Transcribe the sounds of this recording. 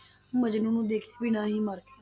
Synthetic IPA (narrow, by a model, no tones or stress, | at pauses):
məd͡ʒnũːnũːd̪eːkʰːbɪnãːɦiːməɾ